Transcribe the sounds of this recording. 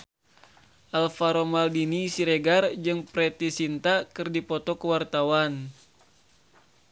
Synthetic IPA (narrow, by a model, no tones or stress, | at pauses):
ʔalfaɾomaldinisiɾeɡard͡ʒɨŋpɾɛt̪isint̪akɨrdipɔt̪ɔkəwart̪awan